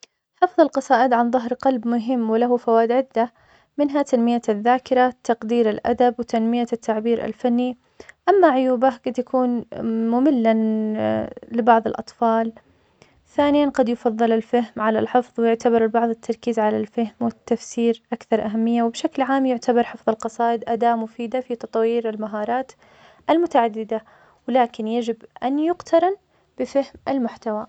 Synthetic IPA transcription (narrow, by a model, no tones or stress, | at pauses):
ħɑfðˤɑlqɑsˤɑːʔɪd̪ʕanðˤʊɦɾqɑlbmʊɦɪmːwɪlaɦufawaːd̪ʕɪd̪ːa | mɪnɦat̪anmɪjaðːaːkɪɾat̪ːɑqd̪iːɾɪlʔa̰d̪abwɪt̪anmɪjat̪ʰːaʕbiːɾa̰lfanːi | ʔamːaʕʊjuːbaɡad̪jakuːnmʊmɪlːa | lɪbɑʕðˤɑlʔɑt̪ˤfɑːl | θaːnɪjanqɑd̪jfɑðˤːɨlalfaɦmʕalalħɪfðˤwɪjʊʕt̪abɑɾˤlbɑʕðˤɪt̪ʰːɑɾˤkiːzʕalalfahmwɪt̪ːafsiːɾʔakθɑɾˤʔaɦamːɪjːawɪbʃaklʕaːmjʊʕt̪ʰabɑɾˤħɪfðˤɑlqɑsˤɑːʔɪd̪ʔad̪aːʔmʊfiːd̪afit̪ɑt̪ˤwiːɾɪlmaɦɑːɾˤɑːt̪ | ʔalmʊt̪aʕad̪ːɪd̪a | wɪlaːkɪnjad͡ʒɪbʔanjʊqt̪ʰɑɾˤɑn | b̥ɪfɪhmʔalmʊħt̪awa